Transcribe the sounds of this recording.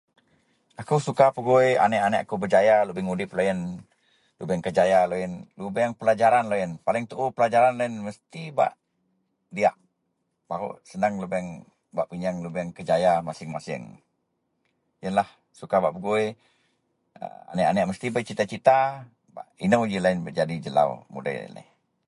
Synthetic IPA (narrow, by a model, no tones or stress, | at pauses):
akusukapəɡuja̰nɛʔanɛʔakubəd͡ʒajalubɛŋudɪplojən | lubɛŋkəd͡ʒajalojənlubɛŋpəlad͡ʒaɾanlojənpalɪŋt̪uʔupəlad͡ʒaɾanloənməst̪iba̰ʔ | diaʔ | baɾṵʔsənaŋlubɛŋ | baʔpiɲaŋlubɛŋkəd͡ʒajamasɪŋmasɪ̰ŋ | jənlah | sukabaʔbəɡuj | ə̰a̰nɛʔanɛʔməst̪ibat͡ʃit̪at͡ʃit̪a | ba̰ʔinəwd͡ʒilaɪnbəd͡ʒadid͡ʒəla̰wmṵda̰la̰i